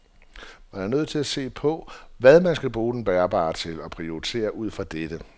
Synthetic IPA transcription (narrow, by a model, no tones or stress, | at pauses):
ʋɑjɑnøð̩̰ˠt͡sʰe̝læse̝̰ːpʰɒ̽ʋæð̞ˠmænsɡ̥æb̥ʁuːd̥enb̥æɐb̥ɑ̰̈ːt͡sʰe̝lɒ̽pʰʁioit͡sʰe̝̰ːɐʔuð̞̰ˠfɑ̈d̥ed̥ə